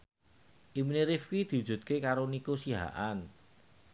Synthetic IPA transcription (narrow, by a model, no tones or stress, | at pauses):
ʔimineɾifkid̪̥i̤ud͡ʒ̥ṳt̪̚kekaɾonikusiɦa̰ʔan